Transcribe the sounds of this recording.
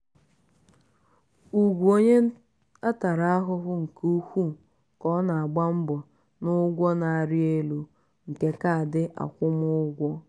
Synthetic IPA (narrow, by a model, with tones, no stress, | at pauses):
u˨ɡʷu˨o˦ɲe˦ | a˦ta˨ɾa˦a˦ɦʊ˦ɦʊ˦ŋ̩˨ku˦hʷu˦˨ | kɔ˦na˨a˨ɡ͡ba˦m̩˦bɔ˨ | nʊ˦ɡʷɔ˦na˨a˨ɾɪ˦e˦lu˦ | ŋ̩˨ke˨ka˦a˨dɪ˦ʔa̰˨kʷʊ˦m˦ʊ˦ɡʷɔ˦